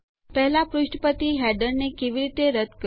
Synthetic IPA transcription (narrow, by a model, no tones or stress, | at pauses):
pɛɦlapɾuʃʈəpət̪iɦæɖəɾnekeʋiɾit̪eɾəd̪kə